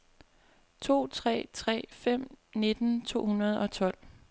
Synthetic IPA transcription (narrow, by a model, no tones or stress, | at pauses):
t͡sʰo̝̰ːt͡sʰʁɛ̰ːt͡sʰʁɛ̰ːfem̰ne̝d̥n̩t͡sʰo̝̰ːhunɐð̞ˠɒ̽t͡sʰɒ̽l̰